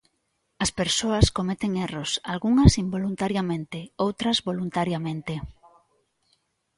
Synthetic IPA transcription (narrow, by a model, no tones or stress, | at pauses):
ɐspeɾsoɐskomet̪eŋerosalɣuŋɐsimbolunt̪aɾjamẽnt̪eowt̪ɾɐzβolunt̪aɾjamẽnt̪e